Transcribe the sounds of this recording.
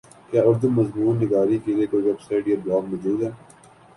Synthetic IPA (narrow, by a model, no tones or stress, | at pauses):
kjaːʊɾd̪ənmɐzmuːnːɪɡaːɾikeleːkoːʋɛbsaːɪʈjeːblɔːɡ̚mɔːd͡ʒuːd̪ɦɛː